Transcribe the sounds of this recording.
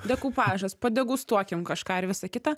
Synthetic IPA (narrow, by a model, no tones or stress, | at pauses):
d̪ʲɛkuːpɑːʒɐspɐd̪ʲɛɡuːst̪uɔkʲɪmkɐʃkɑːɪɾʋʲɪsɐkʲɪt̪ɑ